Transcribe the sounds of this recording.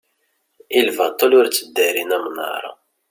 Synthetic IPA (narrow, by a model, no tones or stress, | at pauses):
ilvæt̪ˤːəlʊɾt͡sːəd̪ːæɾinæmnə̰ɾˤɑ̰